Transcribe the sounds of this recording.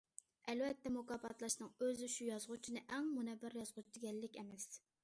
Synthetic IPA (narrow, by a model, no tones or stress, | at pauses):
ɛlvɛt̪ːɛmukɑpʰɑt̪ʰlˠɑʃnɨŋøzɪʃujɑzʁut͡ʃʰinɨʔɛŋmunɛbːæɾjɑzʁut͡ʃʰid̪ɪɡʲɛlːɪkʲɛmɛs